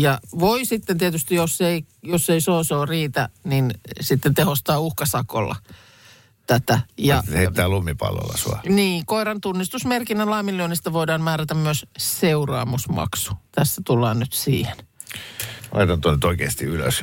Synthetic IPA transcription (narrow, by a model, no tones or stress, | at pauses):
jɑʋoisit̪ːent̪iet̪yst̪ijosːeijosːeisoːsoːriːt̪æninsit̪ːent̪ehost̪ɑːuhkɑsɑko̰lːɑ̰ | t̪æt̪æjɑet̪ːæːlumːipɑ̰lːḛlːɑ̰suɑ̰niːkoiɾɑnt̪unːist̪usmerkinːænlɑːmilːionist̪æʋoidɑːnmæːɾæt̪æmmyøsseurɑ̰ːmusmɑ̰ksu̥t̪æst̪æt̪ulːɑːnnyt̪sḭːhen | ɑ̰it̪ɑnt̪onyt̪oikeːst̪iylø̰s